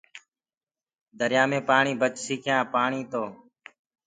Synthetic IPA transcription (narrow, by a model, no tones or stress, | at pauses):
d̪ʱəɾjãːmẽːpaːɳiːbət͡ʃsiːkʰjãːpaːɳiːt̪oː